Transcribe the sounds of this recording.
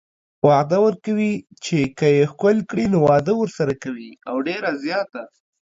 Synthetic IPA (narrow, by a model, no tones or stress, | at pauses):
wad̪awəɾkawi | t͡ʃekəjexkʊlkɽinowɑd̪əwəɾsaɾakawiawɖeɾazjɑt̪a